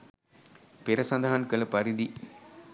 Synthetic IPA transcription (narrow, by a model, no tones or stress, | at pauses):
peɾɐsɐnd̪ɐɦankɐlɐpɐɾid̪i